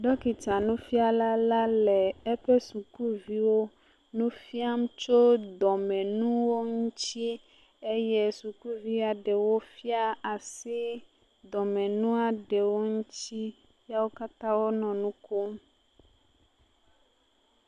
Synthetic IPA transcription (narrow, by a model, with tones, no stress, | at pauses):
ɖɔ˦ki˨t͡ʃa˨nũ˦fi˦a˨la˦la˦lɛ˨ɛ˦ɸɛ˦su˨ku˦vi˦wo˦ | nũ˦fi˦a˦m˦t͡ʃo˦d̪ɔ˨mɛ̃˨nũ˦wo˦ŋũ˦t͡ɕi˦ | e˦jɛ˦su˨ku˦vi˦a˨ɖɛ˨wo˦fi˦a˦a˨si˦ | d̪ɔ˨mɛ̃˨nũ˦a˨ɖɛ˨wo˦ŋũ˦t͡ɕi˦ | ja˦wo˦ka˦t̪ã˦wo˦nɔ̃˨nũ˦ko˦m